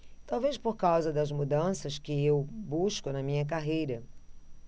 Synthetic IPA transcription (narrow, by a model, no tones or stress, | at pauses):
t̪awvespoɾkawzɐd̪ɐzmud̪ɐ̃sɐskɪewbuʃkʊnɐmĩɲɐk̬aɦejɾɐ